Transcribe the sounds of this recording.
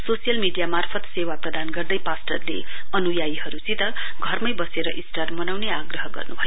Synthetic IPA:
sosijʌlmiɖijamarpʰʌt̪sewaprʌd̪anɡʌrd̪ʌjpasʈʌrlḛ | ʌnujajihʌɾut͡sĩt̪ʌ | ɡʱʌrmʌjbʌseɾʌʔĩsʈarmʌnawneaɡrʌɦʌɡʌ̰rnubʱʌjo

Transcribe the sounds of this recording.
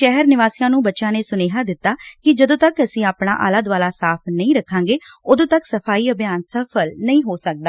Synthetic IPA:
ʃɛɦəɾnɪʋaːsijãːnũːbətːʃãːneːsʊneːɦaːd̪ɪt̪ːaːkɪd͡ʒəd̪õːt̪əkəsĩːaːpɳa̰ːʔa̰ːlaːd̪ʋaːlaːsaːpʰnəĩːɾəkʰːãːŋɡeːʊd̪õːt̪əksəpʰaːiːəbjaːnsəpʰəlnəĩːɦoːsək̚d̪aː

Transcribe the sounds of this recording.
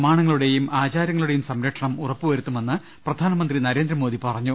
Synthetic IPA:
maːɳɐŋːɐɭuɽe̞jumaːt͡ɕaːɾjɐŋːɐɭuɽe̞jumsɐmɾɐʈʂɐɳɐmurɐpːuʋɐɾut̪ːume̞nːɨ | prɐd̪ʱaːnɐmɐnd̪rinɐɾe̞ːnd̪ɾɐmo̞ːd̪ipɐrɐɲːu

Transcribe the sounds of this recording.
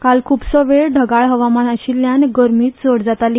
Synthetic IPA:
kalkʰuːpsəʋeɭɖʱəɡaɭɦəʋamanaɕilːjanɡəɾmiːt̪d͡zoɽd͡zat̪ali

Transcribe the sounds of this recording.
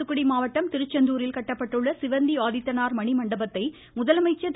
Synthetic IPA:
ɯkːʊɽimaːʋɐʈːɐmt̪ɪɾɯt͡ʃːɐnd̪uːɾɪlkɐʈːɐpːɐʈːɯɭːɐsɪʋɐnd̪iʋaːðɪt̪ːɐnaːɾmɐɳimɐɳɖɐbɐt̪ːɐɪ | mʊðɐlɐmɐɪt͡ʃːɐt̪

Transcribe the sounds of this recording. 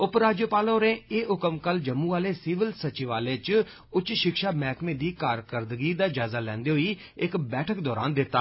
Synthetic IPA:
ʊpɾaːd͡ʒjəpaːlõːɾẽːeːʔʊkəmkəld͡ʒəmːũːaːleːsiːʋəlsət͡ʃɪʋaːleːt͡ʃ | ʊt͡ʃʃɪkʃaːmɛːkmẽːd̪iːkaːɾkəɾd̪ɡiːd̪aːd͡ʒaːzaːlɛ̰̃ːnd̪eːɦʊiː | ɪkbɛːʈʰəkd̪ɔːɾa̰ːnd̪ɪt̪ːaː

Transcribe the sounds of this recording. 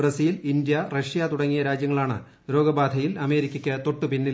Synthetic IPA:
rɐsiːlind̪jɐrɐʂjat̪uɽɐŋːijɐɾaːd͡ʑjɐŋːɐɭaːɳɨ̰ | ɾo̞ːɡɐbaːd̪ʱɐjilɐme̞ːɾikʲːɐkʲːɨt̪o̞ʈːɨpinːi

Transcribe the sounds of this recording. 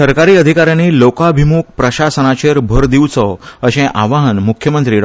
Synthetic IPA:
əɾkaɾiːəd̪ʱikaɾjãniːlokabʱimuːk̚pɾəɕasənat͡ɕeɾbʱəɾd̪iʋt͡sɔəɕẽʔaʋaɦənmukʰjəmənt̪ɾiːɽ

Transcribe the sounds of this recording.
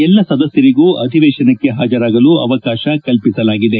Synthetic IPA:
ɛlːɐsɐd̪ɐsjɐɾiɡuːʔɐd̪ʱiʋɛːʃɐnɐkːe̞ɦaːd͡ʒɐɾaːɡɐluːɐ̰ʋɐkaːʃɐkɐlpisɐlaːɡid̪e

